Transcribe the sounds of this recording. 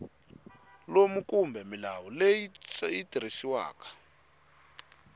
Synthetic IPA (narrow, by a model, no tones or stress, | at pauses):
lomukumbʱɛmilawɔlejiitiɾisiwa̰ːkḁ